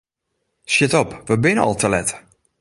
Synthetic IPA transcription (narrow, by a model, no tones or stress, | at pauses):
sjɪtɔpʋəbɪnəɔ̰lˠtʰəlɛt